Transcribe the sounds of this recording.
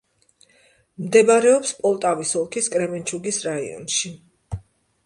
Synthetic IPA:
md̪ɛbaɾɛɔpspʼɔlˠt̪ʼavisɔlˠkʰiskʼɾɛmɛnt͡ʃʰuɡisɾaḭɔ̰nʃi

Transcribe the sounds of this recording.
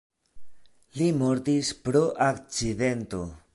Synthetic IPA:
limo̞ɾt̪ispɾo̞ʔakt͡side̞nt̪o̞

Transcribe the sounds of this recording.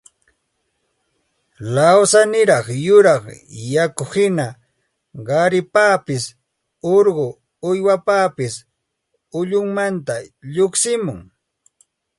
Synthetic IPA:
lawsanɪɾɑχjʊɾɑχjakʊhɪna | ɢɑɾɪpaːpɪs | oɾɢʊ | ʊjwapaːpɪs | ʊʎʊŋmant̪aʎoksɪmʊŋ

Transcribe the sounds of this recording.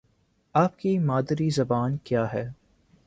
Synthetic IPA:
aːp̚kimaːd̪ɾizɐbaːnkjaːɦɛː

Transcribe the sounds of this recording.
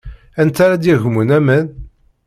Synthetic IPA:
ænt̪aɾad̪jiʝmunæmæn

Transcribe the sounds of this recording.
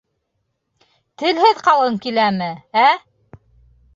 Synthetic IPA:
t̪ɘ̆lhɘðqɑlˠɤŋkilæmɘæ

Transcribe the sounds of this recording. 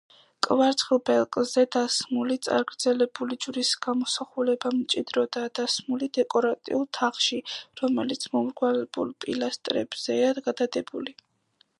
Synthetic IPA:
kʼvaɾt̪sʰχlˠbɛlˠkʼzɛd̪asmulit̪sʼa̰ɾɡɾd̪zɛlɛbulid͡ʒɾisɡamɔsaχulɛbamt͡ʃʼid̪ɾɔd̪ad̪̥asmulid̪ɛkʼɔɾat̪ʼḭulˠt̪ʰaχʃiɾɔmɛlit̪sʰmɔmɾʁwalɛbṵlˠpʼilast̪ʼɾɛ̰bz̥ɛaɡad̪ad̪ɛbuli

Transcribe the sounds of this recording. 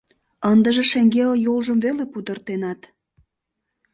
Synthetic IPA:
ənd̪ə̆ʒĕʃeŋɡelejolʒəmvelepud̪ə̆rt̪enɑt̪

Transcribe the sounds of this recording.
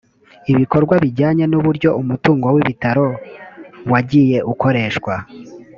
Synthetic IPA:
iβiko̞ɾɡwaβiɾɟaːɲe̞nuβuɾɟo̞ʔumutuːŋɡowiβitaɾo̞ | waɟije̞ʔuko̞ɾe̞ːʃkwa

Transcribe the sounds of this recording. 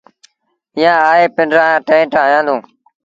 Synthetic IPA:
ɪjãːaːɦeːpɪɳɖɾãːjãːʈẽːʈaːjãːd̪õː

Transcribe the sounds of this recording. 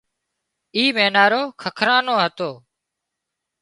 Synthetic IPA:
iːmeːnaːɾoːkʰəkʰɾaːnoːɦət̪oː

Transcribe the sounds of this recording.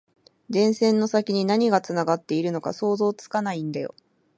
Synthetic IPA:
d̪ẽ̞ɰ̃sẽ̞nːo̞sakʲiɲ̟inaɲ̟iɡat͡sɨnaɡat̪ːe̞iɾɯ̟no̞ka̰so̞ːzo̞ːt͡sɨ̥kanaĩnd̪ajo̞̰

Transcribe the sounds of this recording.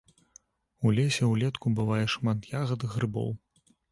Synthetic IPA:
ulʲɛsʲɛwlʲɛt̪kubɨvajɛʂmat̪jaɣɐd̪ɨɣrɨbɔ̰w

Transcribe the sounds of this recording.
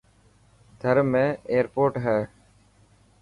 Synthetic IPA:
d̪ʱəɾmẽːeːəɾpoːʈɦɛː

